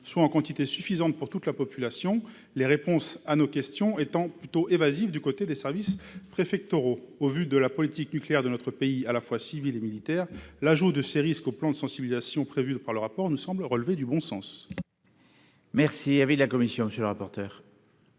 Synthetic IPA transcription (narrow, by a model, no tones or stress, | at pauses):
swaɑ̃kɑ̃t̪it̪esyfizɑ̃t̪̚puʁt̪ut̪lapɔpylasjɔ̃ | leʁepɔ̃sanokʲɛst̪jɔ̃et̪ɑ̃plyt̪oʔevazivd̪ykot̪ed̪esɛʁvispχefɛk̚t̪oʁoovyd̪əlapɔlit̪iknykleɛʁd̪ənɔt̪χəpeialafwasivilemilit̪ɛːʁlaʒud̪əseʁiskoplɑ̃d̪əsɑ̃sibilizasjɔ̃pχevypaʁləʁapɔʁnusɑ̃blʁəlved̪ybɔ̃sɑ̃s | mɛʁsiavilakɔmisjɔ̃məsjøləʁapɔʁt̪œːʁ